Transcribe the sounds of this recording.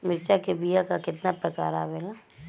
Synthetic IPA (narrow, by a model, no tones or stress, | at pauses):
mɪɾt͡ʃakebijakakɪt̪napɾɐka̰ːɾabela